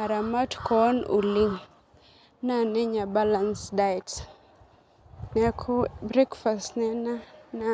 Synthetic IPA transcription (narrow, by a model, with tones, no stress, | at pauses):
a˨ɾa˨ma˦tkɔ˦nṵ˨li˦ŋ | na˨nɛ˦ɲa˨ba˦la˨nsdaɛt | nɛkʰubɾɛ˦kfastnɛ˦na˦na